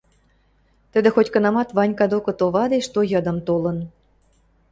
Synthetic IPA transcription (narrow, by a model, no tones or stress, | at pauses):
t̪ə̆d̪ĕxotʲkɤ̆nɑmɑt̪βɑnʲkɑd̪okɤ̆t̪oβɑd̪eʃt̪ojɤ̆d̪ɤ̆mt̪olɤ̆n